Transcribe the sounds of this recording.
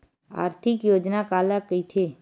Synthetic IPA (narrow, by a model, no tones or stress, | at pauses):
a̰ːɾt̪ʰɪkjoːd͡ʒnakaːlakəit̪ʰe